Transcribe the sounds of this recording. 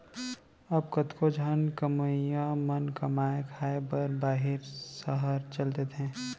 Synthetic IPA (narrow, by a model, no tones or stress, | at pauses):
ɐb̚kət̪kod͡ʒʱənkəməjãmənkəmaːekʰaːebəɾbaːɦɪɾsəɦəɾt͡ʃɐlt̪et̪ʰɛ̃ː